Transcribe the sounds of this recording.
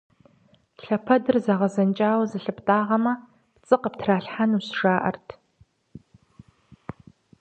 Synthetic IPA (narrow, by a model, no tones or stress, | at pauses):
ɬɐpʰɐdɨrzaʁɐzɐnt͡ʃʼaːwɐzɨɬɨptʼaːʁɐmɐ | pt͡sʼɨqəp̚tʰraːɬħanuːsʂaːʔɐ̰rtʰ